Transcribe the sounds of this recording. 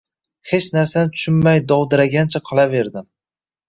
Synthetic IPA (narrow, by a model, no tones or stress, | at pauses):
he̞t͡ʃnaɾsanɪt̪ʰʊ̥ʃʊnmajd̪ɒwd̪ɪɾaɡʲant͡ʃʰaqʰɨlˠave̞ɾd̪ɪm